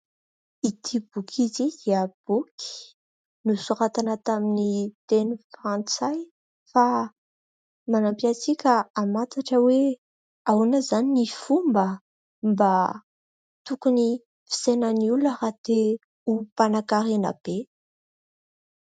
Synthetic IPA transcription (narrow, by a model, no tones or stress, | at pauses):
it̪ʰibukʰizid̪iəb̥uki̥ | nusuɾat̪anat̪aminit̪enufɾãnt͡saj | fa | manampiat͡sikʲəamat̪aʈ͡ʂəwe | awnəzaninifumbə | mba | t̪ukuni | fi̥senəniulaɾat̪e | upanakaɾena̰b̥e